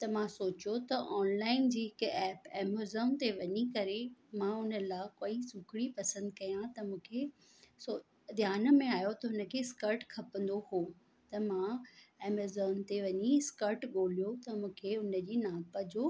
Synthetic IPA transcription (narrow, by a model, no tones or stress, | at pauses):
t̪ɐmãsoːt͡ɕot̪ɐʔɔːnlaːɪnd͡ʑiːɦɪkɛːpɛːmozəmt̪eʋɐɲikɐɾemãɦʊnə̆laːkoːisʊkɪɽipɐsə̃nd̪kɐjãt̪ɐmũːkʰe | so | d̪jaːnə̆mẽaːjot̪ɐɦʊnə̆kʰeskɐɾʈkʰɐpə̃nd̪ohoː | t̪ɐmãɛːmezəːmt̪eʋɐɲiɪskəɾʈɠoːlijot̪ɐmũːkʰeʊnə̆d͡ʑiːnaːpəd͡ʑoː